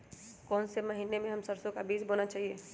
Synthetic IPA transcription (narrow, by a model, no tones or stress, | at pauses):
kɔːnsemɐɦiːnemẽɦɐmsɐɾsõkabiːzboːnat͡ʃaːɦieː